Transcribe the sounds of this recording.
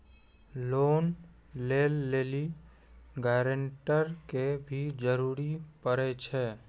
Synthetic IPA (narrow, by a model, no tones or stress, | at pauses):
loːn | leːlːeːli | ɡɛːɾəɳʈəɾkebʱid͡ʒəɾuːɾipəɾet͡ʃʰɛː